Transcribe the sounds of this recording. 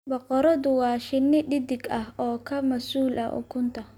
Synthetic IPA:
bɑqɔɾɐðʊwɑːʃɪnːɪɖɪd̪ɪɡɐhɔːkʰɐmɐsuːlʔɐ̰ʔʊ̰kʰʊnt̪ʰɐ

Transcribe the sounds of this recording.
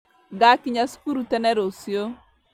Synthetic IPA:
ɡakiɲasu̥kuɾutɛnɛɾosjo

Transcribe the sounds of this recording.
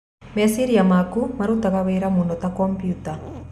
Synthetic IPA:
mesiɾijɐmaːkumɐɾut̪ɐɡɐʋeːɾɐmunot̪ɐkompijut̪ɐ

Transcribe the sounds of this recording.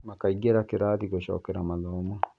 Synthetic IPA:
makaiɡeɾakɪɾaːt̪iɡɔʃɔ̰kːɛɾamaðɔmɔ

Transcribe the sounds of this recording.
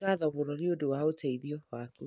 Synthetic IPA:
aðɔβoɾɔneodowaoteiðjɔwaku

